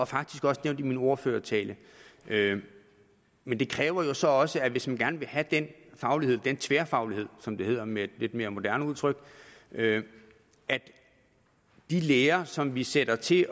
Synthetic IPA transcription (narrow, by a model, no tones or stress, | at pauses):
ɒ̽fɑ̈ɡ̥̚d̥isɡ̥ɒ̽səneʊnd̥imino̝ɐføːɐt͡sʰɛ̰ːlə | ʔø | mend̥e̝kʰʁɛːʊɐjo̝sɒ̽ɒ̽səæʋe̝smænɡ̥æɐnəʋe̝hæd̥enfɑ̈ʊlihe̝ð̰̥ˠent͡sʰʋeːɐfɑ̈ʊlihe̝ð̰ˠsɒ̽md̥e̝he̝ð̞̰ˠɐmed̥le̝d̥me̝ːɐmo̝d̥æɐnəuð̞ˠt͡sʰʁœɡ̥ø | ʔæd̥ | d̥ileːɐsɒ̽mʋiseɾ̥ɐt͡sʰe̝